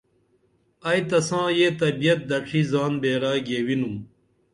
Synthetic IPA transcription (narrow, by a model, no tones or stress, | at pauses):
ɐit̪ɐsãːjeːt̪ɐbijɐt̪̚d̪ɐʂʰizaːnbeːɾaːɡeːwinum